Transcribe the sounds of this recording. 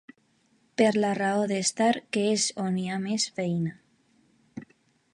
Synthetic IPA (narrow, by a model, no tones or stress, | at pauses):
peɾlaraoðest̪aɾkeesoniamesfejna